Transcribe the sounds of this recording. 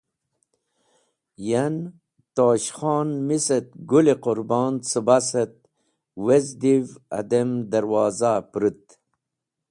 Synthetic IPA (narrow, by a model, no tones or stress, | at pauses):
jan | t̪oːɕχɑːnmiset̪̚ɡulequɾbɑːnsɨbasət̪̚ | wezd̪ivɐ̰d̪emd̪ɐɾwɑːzapɾɨt̪̚